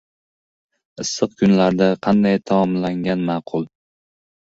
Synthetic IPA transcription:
ɨsːɨqkʰʊnlaɾd̪aqʰɑnd̪ajt̪ʰamɒmlaŋɡʲanmɑːqʰʊlˠ

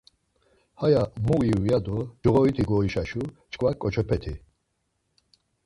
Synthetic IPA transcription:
hajamuiujad̪ɔd͡ʒɔʁɔit̪ʰiɡɔiʃaʃut͡ʃʼkʼvakʼɔt͡ʃʰɔpʰɛt̪ʰi

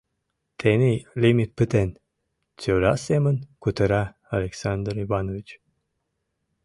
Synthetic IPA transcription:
t̪ʰenʲilʲimʲit̪̚pɨt̪en | t͡sʲøɾasemənkut̪əɾa | alʲeksand̪ɾivanovʲit͡ɕ

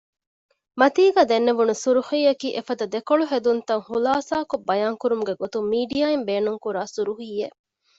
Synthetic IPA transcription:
mɐt̪iːɡaːd̪enːeʋunusuɾuhiːɐkiːʔefɐd̪ɐd̪ekoɭuɦed̪unt̪ɐŋhulaːsaːkobːɐjaːŋkuɾumuɡeɡot̪umiːɖijaːembeːnuŋkuɾaːsuɾuhiːje

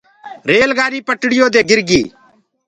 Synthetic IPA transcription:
ɾeːlɡaːɾiːpəʈɽɪjoːd̪eːɡɪɾɡiː

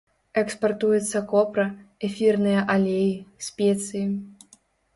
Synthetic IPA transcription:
ɛkspart̪ujɛt̪sːɐkɔpɾɐɛfʲirnɨjɐʔalʲejisʲpʲet̪sʲɨji

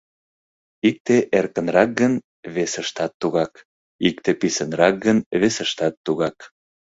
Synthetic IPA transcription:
ik̚t̪eʔerkənrɑk̚ɡən | βesəʃt̪ɑt̪ːuɣɑk | ik̚t̪episənrɑk̚ɡənβesəʃt̪ɑt̪ːuɣɑk

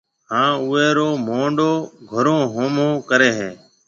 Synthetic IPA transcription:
hãːʊːeːɾoːmoːɳɖoːɡʱəɾõːɦoːmõːkəɾeːɦeː

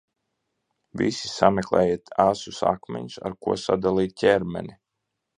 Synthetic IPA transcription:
visi̥samʲeklˠɛːjit̪asusa̰kmʲɛ̰ɲusa̰ɾkuɔsad̪alˠiːt̪̚ʲtʲɛɾmɛnʲi

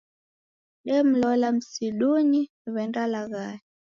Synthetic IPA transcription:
ɗɛm̩lɔlam̩siɗuni | βɛndalaɣaɛ

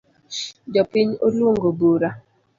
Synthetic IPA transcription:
d͡ʒɔpɪɲoloŋɡoboɾa

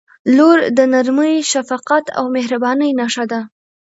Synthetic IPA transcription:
loɾd̪ənaɾməjʃafaqat̪a̰wmehɾabɑnəjnaʂad̪a

